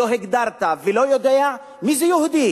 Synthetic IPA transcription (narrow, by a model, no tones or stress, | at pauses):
oɦeɡd̪aɾt̪avelojod̪ea | mizejuhud̪i